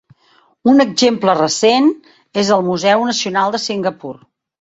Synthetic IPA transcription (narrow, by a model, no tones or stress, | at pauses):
unəɡzemplərəsen | ezəlˠmuzɛwnəsiunalˠd̪əsiŋɡəpur